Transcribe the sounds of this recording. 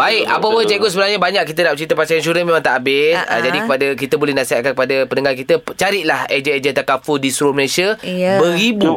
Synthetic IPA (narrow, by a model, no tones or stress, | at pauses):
baɪk̚a̰pəpəd͡ʒaɡosəbənarɲabaɲak̚kːit̪anaʔt͡ʃəɾit̪apat͡ʃajansuɾəmẽmãŋt̪a̰ʔabɪsə̰d͡ʒadikəpadak̬it̪abolɛhnasiɦa̰t̪̚kankəpadapənəŋarkit̪at͡ʃaɾɪʔ̪̚lahed͡ʒəed͡ʒət̪akafudisɾoməlesiabəɣibu